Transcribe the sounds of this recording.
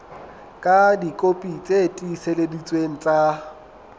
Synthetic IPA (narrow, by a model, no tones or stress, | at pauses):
kʼadikʼopʼit͡sʼetʼiseledit͡sʼweŋ̩t͡sʼa